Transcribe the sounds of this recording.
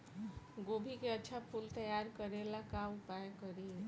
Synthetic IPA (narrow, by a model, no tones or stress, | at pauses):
ɡoːbʱikeɐtːʃʰapʰult̪ɐjaːɾkəɾelakaʊpaːjkəɾiː